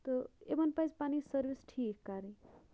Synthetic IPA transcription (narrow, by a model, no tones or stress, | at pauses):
t̪ʌebʌnpajzpanisʌɾbʱisʈʰikkaɾĩ